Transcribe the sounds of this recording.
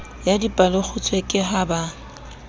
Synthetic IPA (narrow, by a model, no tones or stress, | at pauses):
jadipʼalɪk͡xʰʊt͡sʰʼwekʼɪɦaba